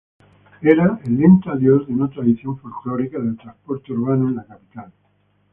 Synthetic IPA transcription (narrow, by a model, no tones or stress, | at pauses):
eɾaelːint̪aðjozðeunat̪ɾaðiθjõ̞ɱfolkloɾikaðe̞lt̪ɾaspo̞ɾt̪euɾβ̞anoẽnlakapit̪al